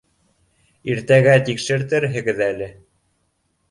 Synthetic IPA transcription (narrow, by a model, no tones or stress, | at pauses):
iɾt̪æɡæt̪ikʃɘ̆ɾt̪ɘɾɦɘ̆ɡɘðælɘ